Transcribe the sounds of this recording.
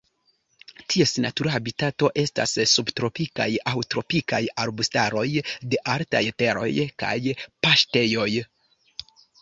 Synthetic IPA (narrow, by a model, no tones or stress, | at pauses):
tʰie̞snatuɾaabitato̞ʔe̞sta̰ssubtɾo̞pika̰jawtɾo̞pikajaɾbustaɾo̞jde̞ʔaɾta̰jte̞ɾo̞̰jka̰jpaʃte̞jo̞j